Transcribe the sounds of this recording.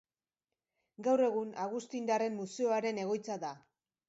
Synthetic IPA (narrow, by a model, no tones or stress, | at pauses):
ɡawre̞ɣunaɣ̞ust̪ind̪are̞mːuseoaɾe̞ne̞ɣ̞o̞jt͡sada